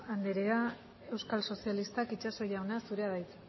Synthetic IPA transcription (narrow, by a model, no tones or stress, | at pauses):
and̪eɾea | e̞wskalso̞sialist̪akit͡ʃaso̞jawnasuɾe̞aðajt͡s̪